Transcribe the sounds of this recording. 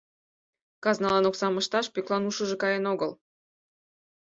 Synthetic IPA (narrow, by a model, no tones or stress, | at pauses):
kɑznɑlˠɑnoksɑmɤ̆ʃt̪ɑʃpyklˠɑnuʃə̆ʒɤ̆kɑjenoɡəl